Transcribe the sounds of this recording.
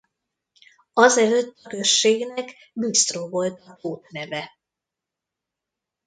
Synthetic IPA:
ɒzɛløt̪ːɒkø̞ʃːeːɡnɛk | byst̪roːvo̞lt̪ɒkoːt̪nɛvɛ

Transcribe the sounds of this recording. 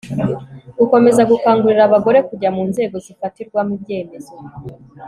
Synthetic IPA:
uko̞me̞zaɡukaːŋɡuɾiɾaβaɡo̞ɾe̞kuɟamuːnze̞ːɡo̞zifatiɾɡwamubɟe̞ːme̞zo̞

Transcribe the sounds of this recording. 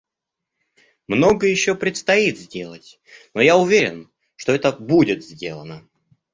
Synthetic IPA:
mno̞ɡəjɪɕːopɾʲɪt̪st̪ɐit̪zʲdʲe̞lˠətʲ | no̞jaʊvʲeɾʲɪ̰n | ʂt̪o̞ɛt̪əbudʲɪt̪zʲdʲe̞̰lˠənə

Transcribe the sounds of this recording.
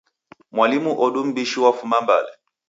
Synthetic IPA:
mwalimuʔɔɗum̩biʃiwafumamba̰lɛ

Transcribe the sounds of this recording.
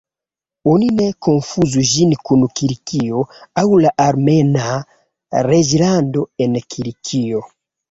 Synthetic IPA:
oninɛkonfuzuʒinikunukiɾikiɔawulaʔaɾmɛna | ɾeʒiɾandoɛnɛkʰiɾikʰijo

